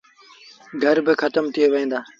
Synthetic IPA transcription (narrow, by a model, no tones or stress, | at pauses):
ɡʱəɾbɪxət̪əmt̪ʰɪeʋẽːn̆d̪aː